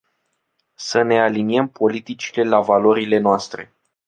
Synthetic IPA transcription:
səne̞aliniempo̞lit̪it͡ʃi̥le̞lavalo̞ɾile̞noast̪ɾe̞̰

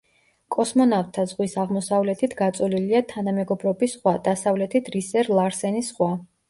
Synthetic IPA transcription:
kʼɔsmɔnavt̪ʰːazʁwisaʁmɔsavlɛt̪ʰit̪ʰɡat̪sʼɔliliat̪ʰanamɛɡɔbɾɔbisχwad̪̥asavlɛt̪ʰit̪ʰɾisɛɾlˠaɾsɛnisχwa

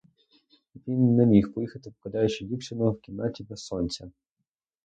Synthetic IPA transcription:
ʋʲinːɛmʲixpɔjixɐt̪ɪpkɐd̪ɑjʊt͡ʃɪdʲipʃʲɪnɔɔwkʲinɑtʲibɛssɔnʲt͡sʲɐ

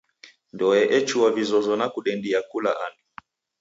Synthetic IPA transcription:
ndɔɛʔɛt͡ʃuwavizɔzɔnakuɗɛndiakula̰ʔani

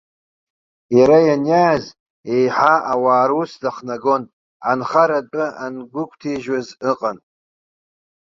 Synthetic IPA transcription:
jaɾajanjaːz | ejħaawaːɾusdaχnaɡo̞n | anχaɾatʼɨʔanɡʷʊkʷʰʼtʰiʒazɨqʼan

